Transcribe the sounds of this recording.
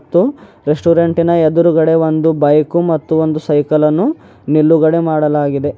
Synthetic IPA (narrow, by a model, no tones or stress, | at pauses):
t̪ːuɾesʈuːɾeɳʈinɐed̪uɾuɡɐɽe̞ʋo̞nd̪ubɐjkumɐt̪ːuond̪usɐjkɐlɐnːu | nilːuɡɐɽe̞maːɽɐlaːɡid̪e̞